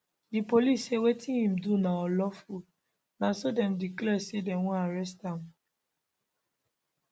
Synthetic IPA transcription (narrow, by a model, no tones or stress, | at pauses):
dipolisːewetĩhĩmdunãɔlɔfu | nãsodɛ̃mdiklɛsedɛ̃wɔ̃aɹɛs̬tãm